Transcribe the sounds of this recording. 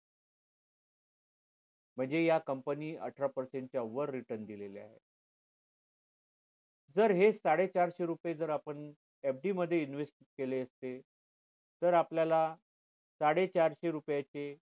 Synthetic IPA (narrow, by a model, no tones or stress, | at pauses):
m̤əɳd͡zejakəmpəniːə̰ʈʰɾapəɾseɳʈ̚t͡ɕjaʋəɾːiʈəɾnd̪ilelea̰ɦḛ | d͡zəɾɦesaɽet͡ɕaɾɕeɾupjed͡zəɾapəɳ | ɛp̚ʰɖiməd̪ʱːjeinʋesʈ | keleəst̪e | t̪əɾapljala | saɽet͡ɕaɾɕeɾupjat͡ɕe